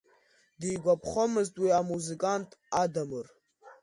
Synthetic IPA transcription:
dijɡʷapʰχʷomɨztʼwiamuzikʼantʼadamɨr

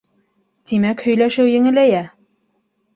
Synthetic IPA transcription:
t̪ʲimækhɵ̆jlæʃɘwjɘ̆ŋɘ̆læjæ

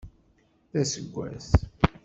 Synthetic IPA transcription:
θæsəɡʷːæ̰θ

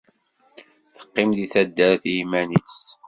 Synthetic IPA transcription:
θə̥qːɪmðiθæd̪ːæɾθimænis

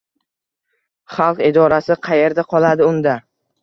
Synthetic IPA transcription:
χɑlˠqɪd̪ɒɾasɪqʰɑje̞ɾd̪aqʰɒlˠad̪ɪʊnd̪a

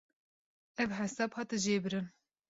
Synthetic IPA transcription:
ɛvɦɛsɑːbhɑːt̪ɨʒeːbɨɾɨn

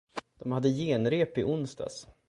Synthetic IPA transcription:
d̪̥ɔmhad̪ːəjeːnɾeːpɪʔʊnst̪a̰s

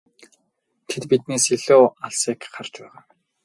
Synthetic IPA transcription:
t̪ʰet̪pit̪̚neːsiɮoːaɮsiːkχart͡ɕpæːʁaː

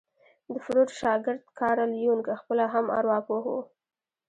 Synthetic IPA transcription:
d̪əfʊɾuɾʃɑɡɪɾd̪kʰɑɾalijuŋkaxpəlaɦama̰ɾwɑpoho̰

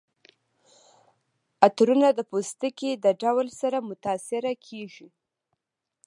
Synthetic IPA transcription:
at̪ɾunad̪əpost̪əked̪əɖawlsaɾamʊt̪ɑsɪɾakʰeʒi

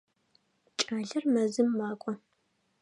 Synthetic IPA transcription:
t͡ʃʼaːɮɐrmɐzɨmːaːkʷʼɔ

